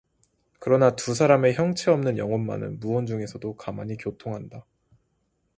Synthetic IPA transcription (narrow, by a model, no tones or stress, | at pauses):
kɯɾʌnatus̬ʰaɾame̞çjʌŋt͡ɕʰeʌmnɯnjʌŋʌnma̰nɯ̰nmuʌnd͡ʑuŋe̞sʰʌdokama̰ɲikjotʰoŋɦanda